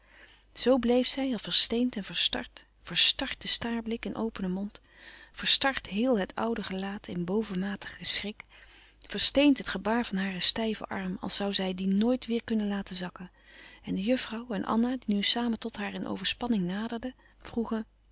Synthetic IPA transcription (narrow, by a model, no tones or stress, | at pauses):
z̥owblejfsɛjɑlˠvəɹstejntɛnv̥əɹstɑ̰ɹt | fəɹstɑɹt̚dəstaːɹblɪkɪnʔo̰wpənəmɔnt | fəɹstɑɹtɦɪːlˠɦətʰʌ̰wdəχəlaːtʰɪnbowvəmaːtʰə̥χəsrɪk | fəɹstejntɦətχəbaːɹvɑnɦaːrəstɛjvə̰ʔɑɹmɑ̰lˠsʌwzɛjdinoːjtʋɪːɹkɵnənlaːtəzɑkən | ɛndəjɵfrɑwɛnʔɑ̰nadinysaːmətɔtɦaːɹɪnʔo̰wvəɹspɑnɪŋnaːdəɹdə | v̥ruχən